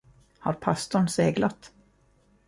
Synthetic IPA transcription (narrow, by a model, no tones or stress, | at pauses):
ha̰ɾpʰast̪ʊɳseːɡlat̪